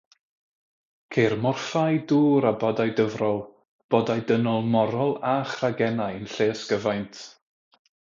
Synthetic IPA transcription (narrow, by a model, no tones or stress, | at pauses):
kʰermɔrfajduːɾabɔdajdəvrɔlˠ | b̥ɔdajdənɔlˠmɔɾɔlˠaχraɡɛnajənɬeːsɡ̥əvajntʰ